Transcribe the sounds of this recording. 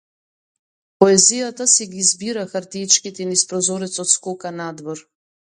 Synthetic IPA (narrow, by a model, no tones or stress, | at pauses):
pɔɛzijat̪asɛɡizbiɾaxaɾt̪ijt͡ʃkit̪ɛnispɾɔzɔɾɛt̪sɔt̪skɔkanad̪vɔɾ